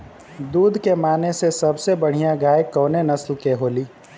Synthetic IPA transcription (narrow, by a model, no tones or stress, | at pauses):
d̪uːd̪ʱkemaːnesesɐbsebɐɽ̤ijãɡaːjɪkːɔːnenɐslkeɦoːliː